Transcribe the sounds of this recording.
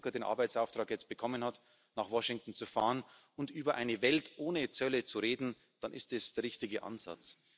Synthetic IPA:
kɐdeːnʔa̰ɐbaɪt͡sʔaʊftʁ̥aːkjɛt͡st̚b̥əkʰɔmənhat | naːχvɔʃɪŋtn̩t͡sufa̰ːʁən | ʊntʔyːbɐʔaɪnəvɛltʔoːnət͡sœlət͡suʁeːdn̩ | d̥anʔɪstɛsd̥eːɐʁɪçtɪɡəʔa̰nza̰t͡s

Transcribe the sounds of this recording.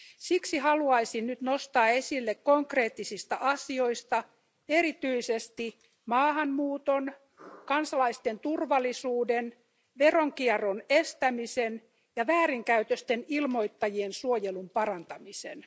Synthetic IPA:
siksihɑluɑisinnyt̪nost̪ɑːesilːekkoŋkreːt̪ːisist̪æʔɑsio̞ist̪ɑ | eɾit̪yisest̪i | mɑːhɑmmuːt̪on | kɑnsɑlɑist̪ent̪urʋɑlˑːisuːden | ʋeroŋkieronest̪æmisen | jɑʋæːriŋkæyt̪øst̪enilmo̞it̪ːɑjiensuojelumpɑrɑnt̪ɑmisḛn

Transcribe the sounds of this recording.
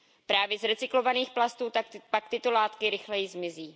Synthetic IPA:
pɾaːvjɛzɾɛt͡sɪklo̞vaniːxplast̪uːt̪pak̚t̪ɪt̪o̞laːt̪kɪɾɪxlɛjɪzmɪziː

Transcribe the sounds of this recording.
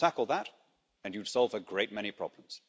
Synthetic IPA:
tʰækl̩ˠðəɾ | ɨ̃njɨd̥sɑlˠvɨɡɹeɪt̚mɛɾ̃ipʰɹ̥ɑ̰blə̃m̩z̥

